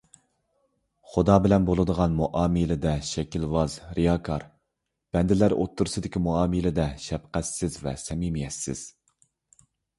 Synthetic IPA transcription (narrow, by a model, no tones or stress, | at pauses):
χʊd̪ɑːbɪlɛnbolˠɨd̪əʁɑnmuʔɑːmɨlɪd̪ɛʃɛkʲilvɑzɾʔijɑːkʰɑɾ | b̥ɛnd̪ɪlæɾo̰t̪ːuɾsɨd̪ɪkʲimuɑːmɨlɪd̪ɛʃɛpqɛt̪sɪzvɛ̰sɛmimjɛsːɪ̰z̥